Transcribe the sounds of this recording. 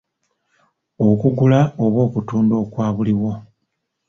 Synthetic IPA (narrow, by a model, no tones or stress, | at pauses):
okuɡulaoβwo̞ːkutuːndo̞ːkwaːβuliwo̞